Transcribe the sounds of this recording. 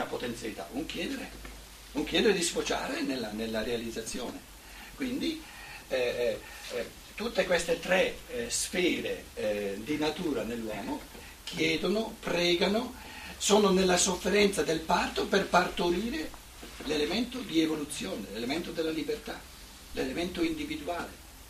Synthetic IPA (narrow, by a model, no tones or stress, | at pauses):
napot̪ent̪sjalit̪a̰uŋkjɛːd̪eɾe | uŋk̟jɛːd̪eɾed̪isfot͡ʃa̰ːɾenelːanelːaɾealid̪zːat̪sːjoːne | kwind̪i | t̪ut̪ːekwest̪et̪ɾɛsfɛːɾḛd̪inat̪uːɾanelːwɔːmo | k̟ʰjɛːd̪onopɾɛːɡano | soːnonelːasofːeɾɛnt̪sad̪elpart̪operpart̪oɾiːɾe | lelement̪od̪ievolut̪sːjoːnelelement̪od̪elːalibert̪a | lelement̪oind̪ivid̪uaːlḛ